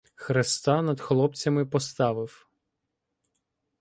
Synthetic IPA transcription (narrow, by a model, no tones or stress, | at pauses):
xɾest̪ɑnɐd̪xlˠɔp̚t͡sʲɐmɪpɔst̪ɑʋɪw